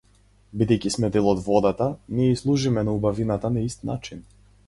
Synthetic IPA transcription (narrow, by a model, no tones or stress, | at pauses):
bid̪ɛjcʲismɛd̪ɛlˠɔd̪vɔd̪at̪aniislˠuʒimɛnaubavinat̪anaist̪na̰t͡ʃin